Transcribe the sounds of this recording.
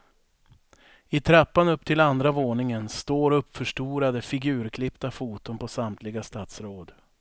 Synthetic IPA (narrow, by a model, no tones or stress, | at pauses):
ɪt̪ʰɾapːanɵpːt̪ʰɪland̪ɾavoːɳɪŋənst̪oːɾɵpːfœʂʈuːɾad̪əfɪɡʉ̟ːɾkʰlɪpt̪afuːt̪ʊnpʰɔsamt̪ʰlɪɡast̪aːt̪sɾoːd̪